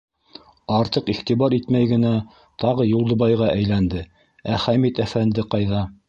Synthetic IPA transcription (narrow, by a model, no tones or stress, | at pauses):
ɑɾt̪ɤqiχt̪iβɑɾit̪mæjɡɘ̆næ | t̪ɑʁɤjulˠd̪ɤ̆βɑjʁɑʔæjlænd̪ɘ | æχæmit̪æfænd̪ɘqɑjðɑ